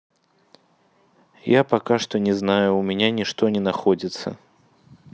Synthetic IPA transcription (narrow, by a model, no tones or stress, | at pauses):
japakaʂt̪ɔnʲɛznajʊːmʲɛnʲanʲiʂt̪ɔnʲɛnaxɔd͡zʲit̪sə̰